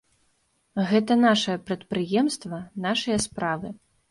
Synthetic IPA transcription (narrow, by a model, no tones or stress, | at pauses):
ɣɛt̪ɐnaʂɐjɐpɾɐt̪̚pɾɨjɛmst̪vɐnaʂɐjɐspɾavɨ